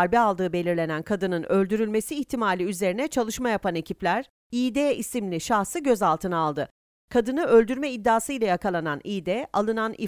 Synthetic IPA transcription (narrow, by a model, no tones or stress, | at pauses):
ɾbialˠd̪ɯːbe̞lʲiɾlʲe̞nænkʰad̪ɯnɯnø̞lʲd̪yɾylʲme̞siːçt̪ʰimaːlʲiyze̞ɾinɛt͡ʃʰalˠɯʃmajapʰane̞cʰiplʲæɾ̥ | iːd̪eːisimlʲiʃahsɯɟø̞zalˠt̪ʰɯnaːlˠd̪ɯ | kʰad̪ɯnɯø̞lʲd̪yɾmɛid̪ːaːsɯjlˠajakʰalˠananiːd̪ɛʔa̰lˠɯnanḭ